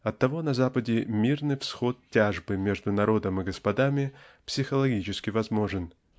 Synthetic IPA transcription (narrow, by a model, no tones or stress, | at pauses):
ɐt̪ːɐvo̞nɐzapədʲɪmʲirnɨjfsxo̞t̪̚tʲaʐbɨmʲe̞ʐd̪ʊnɐɾo̞d̪əmɨɡəspɐd̪amʲɪpsʲɪxəlˠɐɡʲit͡ɕɪskʲɪvɐzmo̞ʐɨn